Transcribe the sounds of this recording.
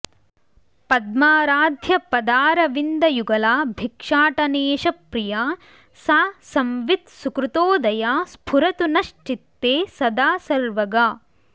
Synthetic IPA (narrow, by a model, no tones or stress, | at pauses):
pɐd̪̚maːɾaːd̪ʱjɐpɐd̪aːɾɐʋind̪ɐjuɡɐlaːbʱikʂaːʈɐneːʃɐpɾijaː | saːsɐmʋit̪sukɾut̪oːd̪ɐjaːspʰuɾɐt̪unɐʂʈit̪ːeːsɐd̪aːsɐɾʋɐɡaː